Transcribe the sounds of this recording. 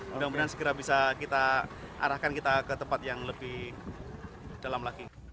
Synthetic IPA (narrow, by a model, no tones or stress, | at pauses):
daŋbənarsə̥ɡəɾabisakit̪aʔa̰ɾahkankit̪akət̪əmpat̪̚jaŋləbɪh | d̥alamlaɡi